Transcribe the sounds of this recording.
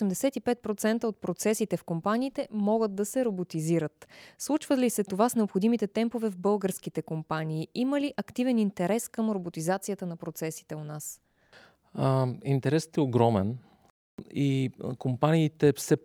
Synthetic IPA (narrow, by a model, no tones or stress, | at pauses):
osɛmd̪ɛsɛt̪ipɛt̪̚pɾot̪sɛnt̪əot̪̚pɾot̪sɛsit̪ɛfkompaniːt̪ɛmɔɡəd̪d̪ɐsɛɾobot̪iziɾət̪slˠut͡ʃvət̪lisɛt̪ovasnɛopxod̪imit̪ɛt̪ɛmpovɛvbɤlˠɡəɾskit̪ɛkompaniːiməliʔɐkt̪ivɛnint̪ɛɾɛskɤmɾobot̪izat̪sijət̪ənɐpɾot̪sɛsi̥t̪ɛonas | int̪ɛɾɛst̪ɛoɡɾɔmɛn | ikompaniːt̪ɛfsɛ